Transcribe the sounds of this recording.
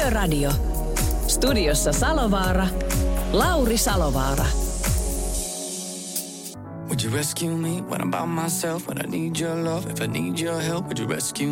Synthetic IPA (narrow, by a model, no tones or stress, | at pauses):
ørɑdio | st̪udiosːɑsɑloʋɑːɾɑlɑwɾisɑloʋɑːɾɑ̰ | wɨd͡ʒɨɹɛskjumiwə̰̃nə̰baʊt̚maɪsɛlˠfwə̰̃na̰ɪnid͡ʒə˞lʌvɪfaɪniːd͡ʒə˞ɦɛlˠp̚wɨd͡ʒəɹɛ̰skjʉ